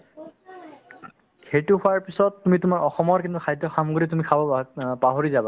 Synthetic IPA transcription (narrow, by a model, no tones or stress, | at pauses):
xejtʊkʰʊaɹpisɔtːumitʊmaɹɔxɔmɔɹkintʊkʰajdɔxamɡuit̬umikʰabɔpaɦoɹizaba